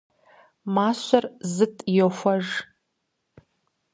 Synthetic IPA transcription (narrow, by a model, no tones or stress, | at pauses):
maɕʷarzɨtʼijofʷɐʐ